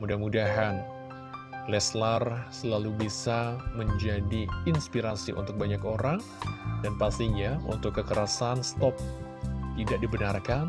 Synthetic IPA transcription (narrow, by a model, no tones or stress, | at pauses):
mudahmudaɦan | lɛslarsəlalubisaməɲd͡ʒadiːnspiɾasiʔṵnt̪ʊk̚baɲakoɾaŋ | danpast̪iɲaṵnt̪ʊkːəkəɾasanst̪ɔp̚t̪idaʔ̚dibənarkan